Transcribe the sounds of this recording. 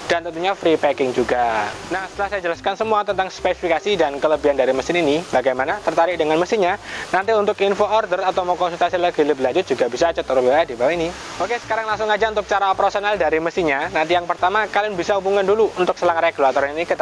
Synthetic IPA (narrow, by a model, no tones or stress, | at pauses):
d̥ant̪ənt̪uɲafɾipekɪŋd͡ʒuɡanahsət̪əlahsajad͡ʒəlaskansəmuat̪ənt̪aŋspesifikasidankələbiɦandaɾiməsɪninibaɡajmanat̪ərt̪aɾɪk̚dəŋanməsinɲanant̪iunt̪ʊkinfoɔrdərat̪awmokɔnsult̪asiləɡi̤ləbəlaɲd͡ʒʊt̪̚d͡ʒ̥uɡabisaːt͡ʃət̪ːəɾʊwiwaadibawaini | ʔokesə̥kaɾaŋlaŋsʊŋad͡ʒaunt̪ʊk̚t͡ʃaɾaopɾasonaldaɾiməsiɲanant̪ijaŋpərt̪amakalianbisahubuŋanduluunt̪ʊk̚səlaŋɾajaɡ̥əluat̪oɾaninikət̪